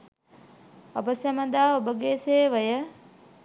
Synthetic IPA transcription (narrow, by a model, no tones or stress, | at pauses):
ɐbəsjɐməd̪aːobəɡeːseːʋəjə